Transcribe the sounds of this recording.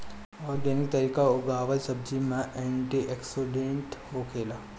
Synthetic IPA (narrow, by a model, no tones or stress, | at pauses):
ɔːɾɡɛːnɪk̚t̪ɐɾiːkaoɡaːʋəlsɐb̚d͡ʒimãʔɛ̃ːɳʈiʔeksolẽːɳʈhokʰeːlaː